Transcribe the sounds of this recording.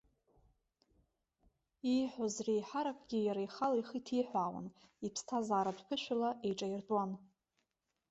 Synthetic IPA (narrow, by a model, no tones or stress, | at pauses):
iħʷozrejħaɾakʷʼɡʲijaɾajχalajχitʰiħʷaːwa̰nipʰstʰazaːɾadʷpʰʊʃʷᶣalaʔejʈ͡ʂʼairtʼwan